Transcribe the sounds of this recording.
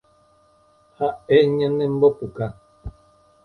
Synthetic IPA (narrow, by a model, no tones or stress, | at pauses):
haeɲə̃nẽm̩bopuka